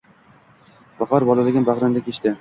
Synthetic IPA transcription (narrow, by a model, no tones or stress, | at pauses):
b̥ɑqʰɑɾbɒlˠalɪɡʲɪnbaʁɾand̪akʲʰet͡ʃt̪ɪ